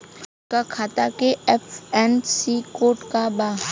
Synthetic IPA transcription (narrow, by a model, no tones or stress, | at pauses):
kakʰaːt̪akeɛpʰɛːnsikoːʈkabaː